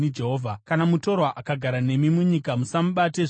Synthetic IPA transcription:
id͡ʒe̞ɦoːvʱakanamuto̞rwaʔakaɡʱaɾane̞mimuɲikamusamuɓate̞

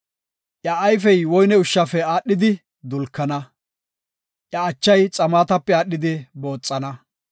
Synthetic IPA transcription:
ʔjɐːjf̬ɛjwɔjnɛʊʃːɐfɛaːɗːɪd̪ɪ | d̪ʊlkːɐnɐ | ʔjɐːt͡ʃːɐjt͡sʼɐmaːt̪ɐpːɛaːɗːɪd̪ɪbo̞ːt͡sʼːɐnɐ

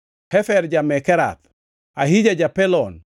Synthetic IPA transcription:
hɛfɛɾd͡ʒamɛkɛɾa̰t̪̚ | aɦid͡ʒad͡ʒapɛlɔn

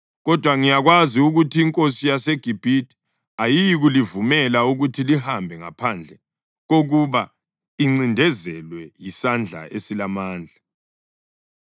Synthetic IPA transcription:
ɣɔd̥ʱwaŋijaɣwaziuɣutʰiːŋkʼosijaseɡ̥ʱib̥ʱiti̥ | ajiɣulivumɛlauɣutʰilihambʱɛŋa̰pʰand͡ɮʱɛ | ɣoɣuβa | iŋ͡ǀindʱɛzɛlwɛjisand͡ɮʱa̰ʔesilamaːnd͡ɮʱa

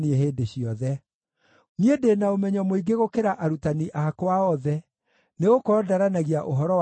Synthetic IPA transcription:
nieɦeːdeɕiɔðɛ | ŋiedenaomɛɲɔmoiɡeɣokeɾaʔaɾutaniʔaakowaɔðɛ | neɣokɔdaɾanaɣiaʔoɦɔɾɔ

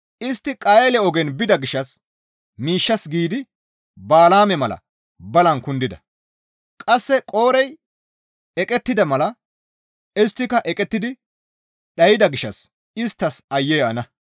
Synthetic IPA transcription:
ʔɪst̪ːɪkʼɐjɛlɛɔɡɛnbɪd̪ɐɡɪʃːɐs | miːʃːɐsɡiːd̪ɪ | baːlaːmɛmɐlɐ̰ | bɐlɐnkʊnd̪ɪd̪ɐ | kʼɐsːɛkʼo̞ːɾɛj | ɛkʼɛt̪ːɪd̪ɐmɐlɐ | ɪst̪ːɪkɐʔɛkʼɛt̪ːɪd̪ɪ | ɗɐjɪd̪ɐɡɪʃːɐs | ɪst̪ːɐsɐjːɛjɐnɐ

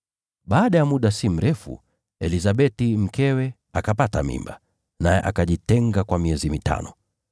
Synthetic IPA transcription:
ɓaːɗajamuɗasim̩ɾʔɛfṵ | ɛlizaɓɛtim̩kɛwɛ | akapatamḭmba | najɛ̰ʔakaʄitɛŋɡakwamiɛzimitʰa̰nɔ

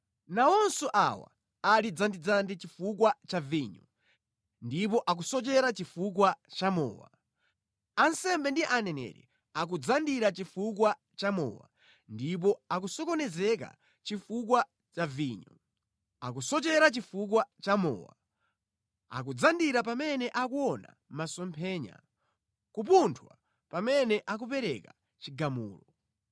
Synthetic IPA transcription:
naɔnsɔʔa̰wa̰ | alid͡zandid͡zandit͡ʃifuk̬wat͡ʃaviɲɔ | ndip̬ɔʔak̬usɔt͡ʃɛɾat͡ʃifukwat͡ʃamɔ̰ːwa̰ | ansɛmbɛndiʔanɛnɛ̰ɾɛ̰ | ak̬ud͡zandiɾat͡ʃifuk̬wa | t͡ʃamɔ̰wa̰ | ndip̬ɔak̬usɔkɔnɛzɛk̬a̰ | t͡ʃifukwa | t͡ʃaviːɲɔ | a̰k̬usɔt͡ʃɛɾat͡ʃifuk̬wat͡ʃamɔ̰wa | a̰k̬ud͡zandiɾapamɛnɛʔakuɔna̰ | masɔmpʰɛːɲa̰ | kupuntʰwa̰ | pamɛnɛʔak̬up̬ɛɾɛka | t͡ʃiɡamuːlɔ

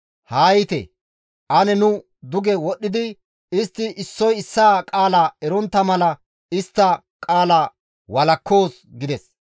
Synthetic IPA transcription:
haːjɪt̪ɛ̰ | ʔɐnɛnʊ | d̪ʊɡɛwɔɗːɪd̪ɪ | ɪst̪ːɪʔɪsːɔjɪsːaːkʼaːlaːɛɾɔnt̪ːɐmɐlɐ | ɪst̪ːɐ | kʼaːlaː | wɐlɐkːo̞ːs | ɡɪd̪ɛs

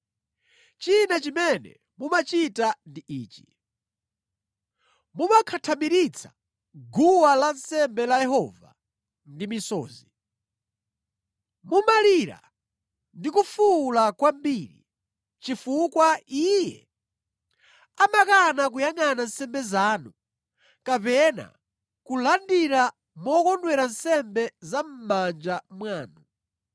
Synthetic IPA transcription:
t͡ʃinat͡ʃimɛnɛ̰ | mumat͡ʃitandiʔiːt͡ʃi̥ | mumakʰatʰamiɾit͡sʰḁ | ɡuwalansɛmbɛlajɛɦɔːva̰ | ndimisɔːzi | mumaliɾa̰ | ndikufulakwambiːɾḭ | t͡ʃifukwaijɛ̰ | amakanak̬ujaŋanan̩sɛmbɛzaːnu | kapɛna̰ | kulandiɾa | mɔkɔndwɛɾan̩sɛmbɛzam̩mand͡ʒamwaːnu

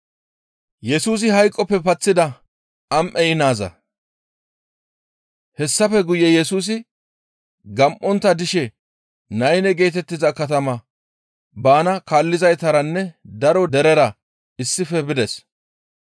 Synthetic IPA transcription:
jɛsuːs̬ɪhɐjkʼːɔpːɛpɐt͡sːɪd̪ɐ | ɐmʔɛɪnaːzɐ̰ | hɛsːɐfɛɡʊjɛjɛsuːs̬ɪ | ɡɐmʔɔnt̪ːɐd̪ɪʃɛ | nɐjnɛɡe̞ːt̪ɛt̪ːɪzɐkɐt̪ɐmɐ | baːnɐkaːlːɪzɐjt̪ɐɾɐnːɛd̪ɐɾɔd̪ɛɾɛɾɐ | ɪsːɪfɛbɪd̪ɛs

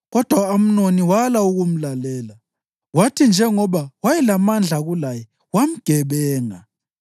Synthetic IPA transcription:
ɣɔd̥ʱwaom̩noniwalauɣum̩lalɛːla | watʰind͡ʒʱɛŋɔɓawajɛlamand͡ɮʱaɣulajɛ | wam̩ɡ̥ʱɛɓɛːŋa̰

